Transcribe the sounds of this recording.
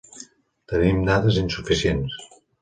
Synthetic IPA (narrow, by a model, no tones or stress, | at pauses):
t̪ənimnaðəzinsufisiens